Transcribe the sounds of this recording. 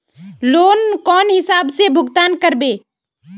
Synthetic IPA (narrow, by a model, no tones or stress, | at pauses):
loːnkɔːnɦɪsaːbsebʱʊɡt̪aːnkəɾbeː